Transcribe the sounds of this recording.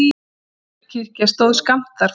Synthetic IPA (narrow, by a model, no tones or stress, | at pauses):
cʰɪr̥cast̪owðskam̥t̪aɾ̥